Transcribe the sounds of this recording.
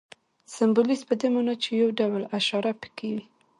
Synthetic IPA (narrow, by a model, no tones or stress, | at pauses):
sambolispəd̪emunat͡ʃejawɖawlaʃɑɾapə̥kewi